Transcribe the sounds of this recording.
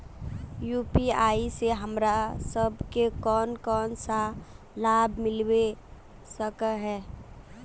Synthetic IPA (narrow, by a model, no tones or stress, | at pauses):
juːpiaːiseɦəmɾasəbkekɔːnkɔːnsa | laːbʱmɪlwe | səkəɦɛː